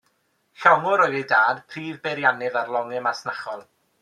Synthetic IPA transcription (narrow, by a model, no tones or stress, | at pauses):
ɬɔŋʊɾɔjðejdaːd̥pʰriːvbɛɾjanɪðarlˠɔŋɪmasnaχɔlˠ